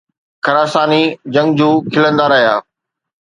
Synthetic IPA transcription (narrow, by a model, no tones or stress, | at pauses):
kʰɐɾaːsaːnid͡ʑɐ̃ŋɡd͡ʑuːkʰɪlə̃nd̪aɾɐɦija̰ː